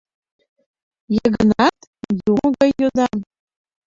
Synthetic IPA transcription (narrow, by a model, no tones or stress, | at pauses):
jəɣənɑt̪juməɣɑjːod̪ɑm